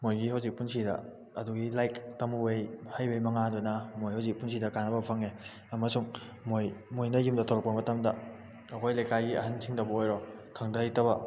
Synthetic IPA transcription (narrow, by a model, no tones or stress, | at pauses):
mojɡihɐwzik̚punsidɐ̰ | ɐduɡilajktɐmuejhajbejmɐŋadunɐmojhɐwzik̚puns̬ʰidɐkanɐbɐpʰɐŋe | ɐmɐsuŋ | mojmojnɐjumdɐtʰoɾɐkpɐmɐtɐmdɐ | ɐkʰojlɐjkajɡiɐ̰ɦansʰiŋdɐbɐojɾɔkʰɐŋdɐjtɐbɐ